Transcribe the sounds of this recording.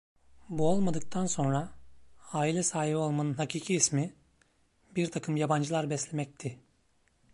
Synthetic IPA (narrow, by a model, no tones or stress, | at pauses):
buo̞lˠmad̪ɯk̚t̪ʰanso̞nɾa | aːilʲɛsaːɦibo̞lˠmanɯnhacʰiːcʰiːsmi | biɾt̪ʰakʰɯmjaband͡ʒɯlˠaɾbɛslʲemɛc̚t̪ʰɪ